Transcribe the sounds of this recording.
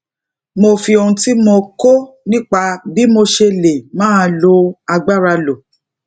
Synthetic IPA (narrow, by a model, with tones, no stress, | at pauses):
mo˧fi˧o˧hũ˧ti˦mo˧ko˦ | nĩ˦k͡pa˧bi˨˦mo˧ʃe˧le˨mãː˦˧lo˧a˧ɡ͡ba˦˨ɾa˧lo˨